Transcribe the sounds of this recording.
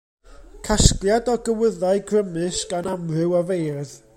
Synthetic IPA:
kʰaskljadɔɡəwəðaɨɡrəmɨsɡanamrɨwavejrð

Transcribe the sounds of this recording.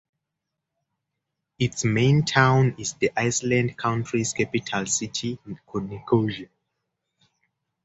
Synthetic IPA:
itsmẽntʰãw̃nizðiʔajslãndkʰãw̃ntʰɹiskʰɛpitʰalsitʰikʰɔnikʰoʒa

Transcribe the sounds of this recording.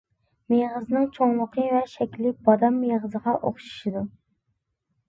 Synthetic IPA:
meʁəzɨnɨŋt͡ʃʰoŋlˠəqʰəvɛʃɛkʲlɪk̚ʲb̥ɑd̪ɑmːeʁəzəʁɑʔo̰χʃu̥ʃid̪u

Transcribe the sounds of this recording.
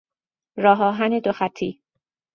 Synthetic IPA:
ɾɒːɦɒːɦæned̪oxæt̪ʰːiː

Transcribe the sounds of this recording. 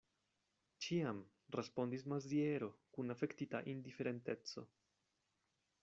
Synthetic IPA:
t͡ʃiam | respo̞ndis̬mazieɾo̞kunafe̞ktita̰ʔindife̞ɾe̞nte̞t͡so̞̰

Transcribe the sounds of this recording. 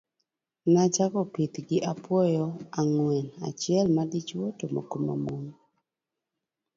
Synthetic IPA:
nat͡ʃakɔpit̪ɡɪʔapwɔjɔaŋwɛna̰t͡ʃjɛlmadit͡ʃwotomo̰koma̰mom

